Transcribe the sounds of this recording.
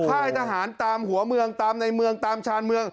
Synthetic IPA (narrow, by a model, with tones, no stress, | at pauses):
kʰaː˥˩jt̪ʰaː˧ɦaː˩˦nt̪aː˧mɦu˩˦ɐmɯ˧əŋt̪aː˧mna˧jmɯ˧əŋt̪aː˧mt͡ɕʰaː˧nmɯ˧əŋ